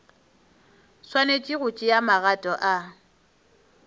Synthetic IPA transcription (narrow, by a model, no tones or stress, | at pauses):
swanet͡ʃʼiɣʊt͡ʃʼɪjamaɣatʼɔʔa